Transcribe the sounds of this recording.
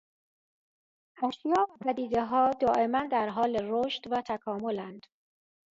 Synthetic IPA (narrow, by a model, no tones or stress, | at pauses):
ʔæʃjɒːvæpʰæd̪iːd̪eɦɒːd̪ɒːʔe̞mænd̪æɾɦɒːleɾoːʃt̪væt̪ʰækʰɒːmolænd̪̥